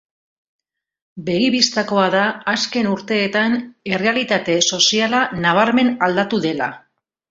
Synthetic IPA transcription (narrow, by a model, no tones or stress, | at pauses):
be̞ɣiβist̪ako̞aðaːske̞nuɾt̪e̞ːt̪ane̞re̞alit̪at̪e̞so̞sialanaβ̞aɾme̞nald̪at̪uðe̞la̰